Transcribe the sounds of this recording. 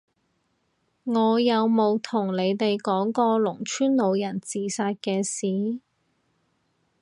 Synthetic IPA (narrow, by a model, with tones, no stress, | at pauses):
ŋɔː˨˧jɐ˨˧wmo˨˧wt̪ʰʊ˨˩ŋle˨˧jt̪e˨jkɔː˨˥ŋkɔː˧lʊ˨˩ŋt͡ʃʰyː˥nlo˨˧wjɐ˨˩nt͡siː˨saː˧t̚kɛː˧siː˨˥